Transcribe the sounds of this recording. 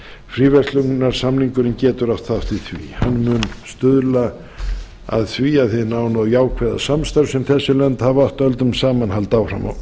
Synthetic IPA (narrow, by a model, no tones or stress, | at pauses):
fɾiːvɛrt̪lʏŋnaɾ̥samniŋkʏɾɪncɛːt̪ʏɾaft̪θaft̪ɪθvḭhanːmʏnst̪ʏðla | a̰ðθviaðθɪðnaːwnawjaːwkʰvɛða̰samst̪aɾsɛmθɛsːʏlɛnt̪havaht̪œlt̪ʏmsaːmanhalt̪awfɾa̰ma̰w